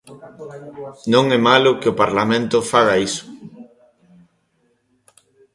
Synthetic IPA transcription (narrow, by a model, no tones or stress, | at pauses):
nõŋɛmalʊkeopaɾlamẽnt̪ʊfaɣaisʊ̥